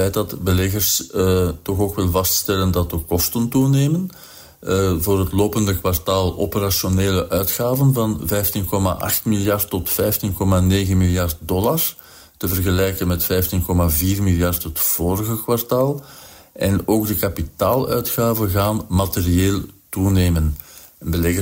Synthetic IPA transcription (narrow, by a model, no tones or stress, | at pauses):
ɛjt̚dɑtbəlɛɣərstɔxoːkʋɪlˠvɑststɛləndɑt̚dəkɔstəntuneːmən | voːrɦətloːpəndəkwartaːlˠʔo̰pəɾasjoneːləʔœɥtxaːvənvɑnvɛjftinkɔma̰ʔɑ̰xtmilˠjɑrtːɔtfɛjftinkɔmaneːɣənmiljɑrt̚dɔlar | təvərɣəlɛjkənmɛtfɛjftinkɔmaviːrmilˠjɑrtɦətv̥oːɾəɣəkwartaːlˠʔɛnoːɡ̚dəkɑpitaːlˠœɥtxaːvəɣaːnmaterieːlˠtuneːmən | nbəlɛɣ